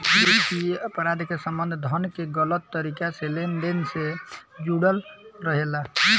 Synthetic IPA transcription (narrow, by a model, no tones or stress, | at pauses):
ikiəpɾad̪ʱkesəmbənd̪ʱd̪ʱənkeɡələt̪ːəɾikaselenɖensed͡ʒuɽəlɾəɦela